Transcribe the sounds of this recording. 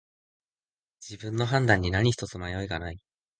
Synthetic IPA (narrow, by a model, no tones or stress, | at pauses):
d͡ʑibɯ̟̃nːo̞ɦãnd̪ãɲ̟ːinaɲ̟içt̪o̞t͡sɨmajo̞iɡanai